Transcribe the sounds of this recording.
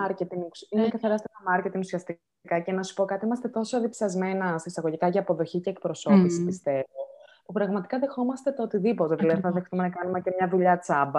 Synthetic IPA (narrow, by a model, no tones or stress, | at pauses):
ɐɾce̞t̪iŋsinekɐθɐɾɐst̪enɐmɐɾce̞t̪iŋusiɐst̪i | kɐce̞nɐsu̥po̞kɐt̪iimɐst̪e̞t̪o̞soɐðipsɐzme̞nɐst̪ɐisɐɣo̞ʝikɐʝɐːpo̞ðo̞çice̞ːk̚pɾo̞so̞pisipist̪e̞vo̞pupɾɐɣmɐt̪i̥kɐðe̞xo̞mɐst̪e̞t̪oot̪iðipot̪etileɾθɐðext̪umenɐkɐnume̞cemɲɐðuʎɐt͡sɐbɐ